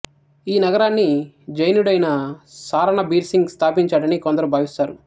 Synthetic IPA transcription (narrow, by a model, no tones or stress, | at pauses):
iːnɐɡɐɾaːnːi | d͡ʒɐjnuɽɐjnɐsaːɾɐɳɐbiːɾsiŋɡst̪ʰaːpiɲt͡ʃaːɽɐnikɔnd̪ɐɾubʱaːʋist̪aːɾu